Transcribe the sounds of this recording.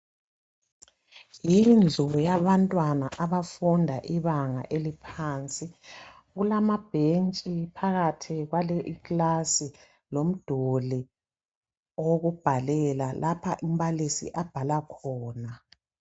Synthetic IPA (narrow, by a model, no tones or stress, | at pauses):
jind͡ɮʱuujaβantʼwanaʔaβafundʱa̰ʔiβaŋa̰ʔelipʰaːnt͡sʼi | ɣulamab̥ʱent͡ʃʼipʰaɣatʰiɣwaleʔikʼlasi | lom̩d̥ʱoli | oɣub̥ʱalɛlalʔapʰaʔim̩βalisḭʔab̥ʱalakʰɔːna